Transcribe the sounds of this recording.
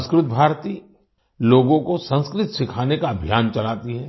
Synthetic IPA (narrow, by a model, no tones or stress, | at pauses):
skɾʊt̪̚bʱaːɾt̪iː | loːɡõkosɐ̃nskɾɪt̪sɪkʰaːnekaɐbʱjaːnt͡ʃɐlaːt̪iɦɛː